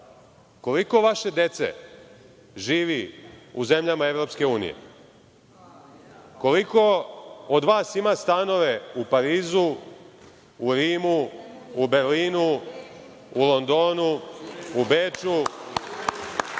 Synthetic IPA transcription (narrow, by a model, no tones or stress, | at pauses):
ko̞liko̞ʋaʃe̞d̪e̞t̪se̞̰ | ʒiːʋiuze̞mʎamaevɾo̞pske̞uːnḭjḛ | ko̞liko̞od̪ʋaːsimast̪ano̞ʋe̞upaɾiːzu | ɾiːmuː | be̞ɾliːnu | ulˠo̞nd̪oːnuubeːt͡ʃu